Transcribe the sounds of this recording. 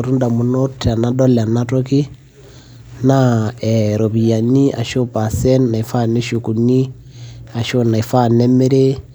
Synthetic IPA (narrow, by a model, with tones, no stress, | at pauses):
ɾu˦nda˨mu˨no˦tʰa˨na˦dɔ˦lɛ˨a˨na˦to˦ki˦ | na˦ɛɾo˨βi˨ja˨ni˦a̰˨ʃo˦pa˨sɛ˦nːa˨i˨fa˦˨ne˦ʃu˨ku˨ni˦ | a˨ʃo˦na˨i˨fa˦˨nɛ˦me˦ɾe˦